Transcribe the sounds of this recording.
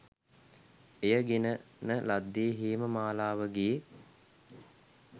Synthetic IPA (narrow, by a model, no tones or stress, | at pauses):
ejəɡenənəlad̪ːeːɦiːməmaːlaːʋəɡi